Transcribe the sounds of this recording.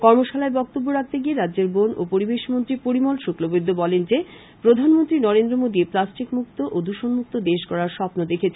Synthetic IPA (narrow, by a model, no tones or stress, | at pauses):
kɔɾmoʃalaebɔk̚t̪obːoɾak̚ʰt̪eɡieɾadːd͡ʑeɾbono̰poɾibeʃmont̪ɾipoɾimolʃuklobed̪ʱːobɔlend͡ʑe | pɾod̪ʱanmont̪ɾinɔɾend̪ɾomod̪ieplasʈikmuk̚t̪oʔod̪uʃonmuk̚t̪od̪eʃkɔɾaɾʃɔpnod̪ekʰet͡ɕʰe